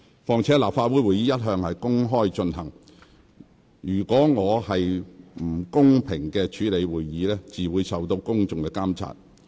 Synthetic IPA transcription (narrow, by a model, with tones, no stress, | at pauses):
fɔː˨˩ŋt͡sʰɛ˨˥laː˨pfaː˧t̚wuː˨˥jwuː˨jiː˨˧˥jɐ˥t̚ɦœː˧ŋhɐ˨jkʊ˥ŋɦɔː˥jt͡ʃɵ˧nɦɐ˨˩ŋ | jyː˨˩kʷɔː˨˥ŋɔː˨˧hɐ˨jm̩˨˩kʊ˥ŋpʰɪ˨˩ŋkɛː˧t͡ʃʰyː˨˥le˨˧jwuː˨jːiː˨˥lɛː˥t͡siː˨wuː˨˧jsɐ˨wt̪o˧wkʊ˥ŋt͡sʊ˨ŋkɛː˧kaː˥mt͡sʰa̰ː˧t̚